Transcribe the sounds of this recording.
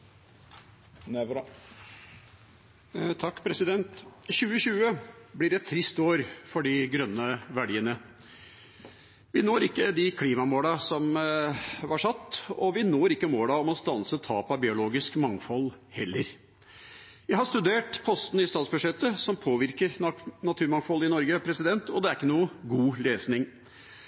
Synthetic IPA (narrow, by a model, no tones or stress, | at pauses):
t̪ʰɑkːpʰɾɛsɪd̪ɛnt̪ɕʉːəɕʉːəblɪɖɛt̪ʰːɾɪst̪oːɾfɔɖɪɡɾœnːəʋæɖiːənə | ʋɪnoːɾɪkːəd̪ɪkʰliːmɑmoːlɑsɔm | ʋɑʂɑt̪ːɔʋɪnoːɾɪkːəmoːlɑɔmɔst̪ɑnsət̪ʰɑːpɑbɪʊloːɡɪskmɑŋfɔl | hɛlːəɾ | ʋɪɦɑʂt̪ʉd̪eːʈpʰɔst̪n̩ɪst̪ɑːt̪sbʉd̪ʂɛt̪ːəsɔmpʰoːʋɪɾkəɾnɑt̪ʰʉːɾmɑŋfɔlɪnɔɾɡəpʰɾɛsɪd̪ɛnt̪ɔd̪ɛæɾɪkːənuːəɡuːleːsnɪŋ